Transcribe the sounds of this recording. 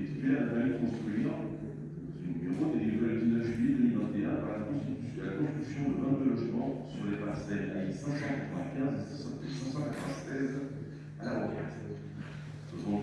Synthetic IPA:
et̪ip̪ɛ̃ɛ̃ʁalkɔ̃st̪χyiɑ̃ | d̪ɑ̃zynymeʁod̪edevald̪inaʒyjed̪ømilvɛ̃t̪eɛ̃paʁlakɔ̃s | lakɔ̃st̪χyksjɔ̃d̪əvɛ̃t̪̚d̪ølɔʒmɑ̃syʁlepaʁsɛla̰isɛ̃sɑ̃kat̪χəvɛ̃kʲɛ̃zesɛ̃sɑ̃sɛ̃sɑ̃kat̪ʰvɛ̃st̪ɛz | alaʁɔkɛz | səsɔ̃

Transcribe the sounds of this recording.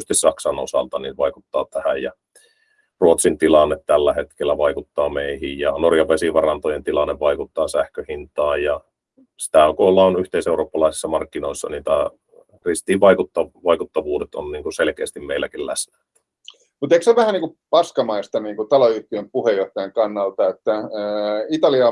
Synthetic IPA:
st̪issɑksɑno̰sɑ̰lt̪ɑniʋɑikut̪ːɑːt̪æhæjjɑ̰ | ruot̪sint̪ilɑnːet̪tælːæhet̪kelːæʋɑikut̪ːɑːmeihijjɑnorjɑʋesiʋɑrɑnt̪ojent̪ilɑnːeʋɑikut̪ːɑːsæhkøhint̪ɑːjjɑ | si̥t̪æokoːlːɑonyht̪eˑiseˑuroːpːɑlɑˑisi̥sːɑmɑrkːinoˑisːɑ̰niːt̪æ | rist̪iːʋʋɑikut̪ːɑʋɑikut̪ːɑʋuːdet̪o̰nniːŋkuselkḛːst̪immeilːækillæ̰snæt̪ | mut̪ekseʋæhæniːŋkupɑskɑmɑist̪ɑniːŋkut̪ɑloyht̪iempuhejjoht̪ɑjɑŋkɑnːɑlt̪ɑet̪ːæ | it̪ɑliɑ

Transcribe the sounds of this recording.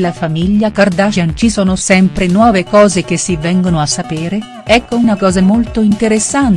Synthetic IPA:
lafamiʎːakard̪aʃant͡ʃisɔːnosɛmpɾenwɔːvekɔːzek̟esːivːɛŋɡonoasːapeːɾe | ɛkːounakɔːzamolt̪oint̪eɾesːan

